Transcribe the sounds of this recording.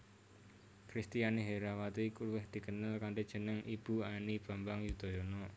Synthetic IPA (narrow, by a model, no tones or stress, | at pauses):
kɾist̪ijaniɦeɾawat̪ikuluwɪhd̪̥i̤kənəlkaɳɖed̥ʒ̥ə̤nəŋib̥ṳanib̥a̤mbaŋjud̪̥o̤jonɔ